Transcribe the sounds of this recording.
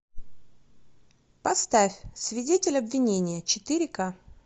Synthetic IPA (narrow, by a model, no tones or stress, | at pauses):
pɐst̪afʲsvʲɪdʲetʲɪlʲɐbvʲɪnʲenʲɪjət͡ɕɪt̪ɨɾʲɪka